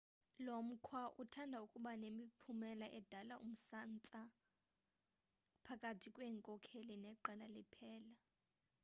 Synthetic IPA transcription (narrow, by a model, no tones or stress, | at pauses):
lom̩kʰwaʔutʰandʱaukʼuɓanemipʰumɛlaʔɛd̥ʱalaʔṵm̩sant͡sʼa | pʰakʼatʰikʼweːŋkʼɔkʰelinɛǃɛlalɛpʰɛːla